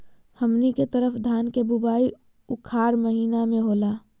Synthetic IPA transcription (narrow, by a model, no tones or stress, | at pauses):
həmniket̪əɾəfʰd̪ʱaːnkebʊbaːi | ʊkʰaːɾməɦiːnamẽɦoːlaː